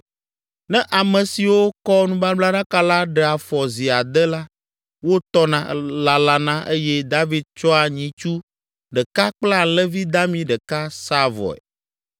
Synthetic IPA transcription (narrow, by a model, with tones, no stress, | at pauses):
nɛ̃˦ʔa˨mɛ̃˨si˨wo˦kɔ˦nũ˦ba˦bla˦ɖã˦ka˦la˦ɖə˦a˨fɔ˨zi˨a˨d̪ɛ˦la˦ | wo˦t̪ɔ˦nã˨la˨la˨nã˦ʔe˦jɛ˦d̪a˦vi˦d̪̚t͡ʃɔ˦a˨ɲĩ˨t͡ʃu˦ | ɖə˨ka˦k͡pla˦lɛ˦vi˦d̪a˦mĩ˦ɖə˨ka˦sa˦vɔ̰˨ɛ̰˨